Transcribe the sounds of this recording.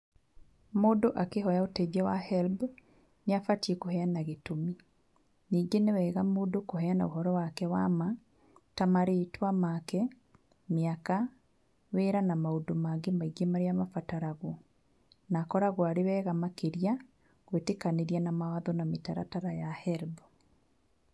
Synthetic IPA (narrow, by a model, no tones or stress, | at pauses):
moːdoʔakeɦɔjaotɛðjawahɛlb | neafatiekoɦɛanaɣetomi | niːŋɡenewɛːɣamoːdokoɦɛanaoɦɔɾɔwakɛwama | tamaɾetwamakɛ | meaka | weːɾanamaodomaɡemaiɡemaɾeamafataɾaɣo | nakɔɾaɣwaɾewɛːɣamakeɾia | ɣwetekaneɾianamawaðɔnametaɾataɾajahɛlb